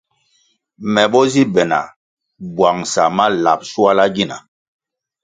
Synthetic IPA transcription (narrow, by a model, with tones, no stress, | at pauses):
mɛ˨ɓɔ˦zi˦bɛ˨na̰˨ | bwa˨ŋsa˨ma˦la˨p̚su˦a˦la˦ɡi˦na̰˨